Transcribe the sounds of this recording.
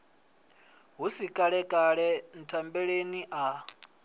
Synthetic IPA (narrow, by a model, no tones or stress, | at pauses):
ɦusikʼaɺɛkʼaɺɛn̩tʰambɛɺeniʔa